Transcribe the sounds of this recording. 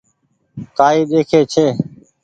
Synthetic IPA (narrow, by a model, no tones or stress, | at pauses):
k̪aːiːɗ̪eːkʰeːt͡ʃʰeː